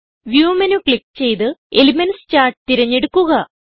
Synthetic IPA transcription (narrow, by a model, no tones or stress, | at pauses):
ʋjuːmɐnukɭikːt͡ɕe̞jt̪ɨe̞limɐnst͡ɕaːrʈɨt̪iɾɐɲːe̞ɽukːuɣɐ